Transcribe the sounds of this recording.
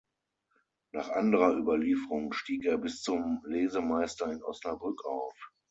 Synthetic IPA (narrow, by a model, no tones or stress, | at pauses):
naːχʔandəʁɐʔyːbɐliːfəʁʊŋʃtiːkeːɐbɪst͡sʊmleːzəmaɪstɐɪnʔɔ̰snabʁʏkaʊf